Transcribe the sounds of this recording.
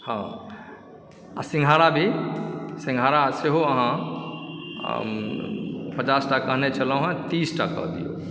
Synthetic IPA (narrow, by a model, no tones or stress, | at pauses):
hã | a̰sĩŋɡʱaɾabʱi | sĩŋɡʱaɾaseɦoəɦã | pət͡ʃasʈakːəɦnet͡ʃʰəlɔ̃ɦə̃t̪isʈakːə̰ɦd̪ḭjo̰